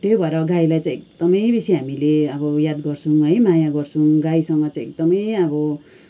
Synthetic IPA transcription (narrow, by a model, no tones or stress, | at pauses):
t̪obʱʌeɾʌɡailajt͡sãĩekd̪̥ʌmʌjbisiɦamileʌbʌjad̪ɡʌrt͡sʰũɦʌjmajaɡʌrt͡sʰuɡaisʌŋɡʌt͡sãj̃ek̚d̪ʌmʌjʌbʌ